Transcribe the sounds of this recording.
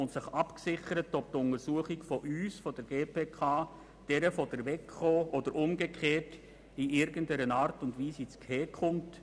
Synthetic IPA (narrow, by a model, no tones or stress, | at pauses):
ʊntsɪχɑpksɪχəɾətɔp̚tʊnəɾsuəχiɡfɔʔyːsfɔdəɾɡ̥eːpʰeːkʰɑː | d̥ɛɾəfɔd̥əɾʋɛkχoːʔɔd̥əɾʔʊmɡekʰeːt | iʔɪɾɡəndɛɾənɑːɾtʊndʋiːsit͡skhɛːkχʊnt